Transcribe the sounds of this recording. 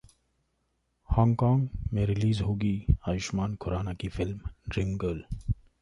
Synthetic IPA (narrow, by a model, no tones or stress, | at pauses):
hãːŋɡkãːŋɡmẽɾɪliːzɦoːɡiːaːjɪʃmaːnkʰʊɾaːnakifɪlmɖɾɪŋɡəl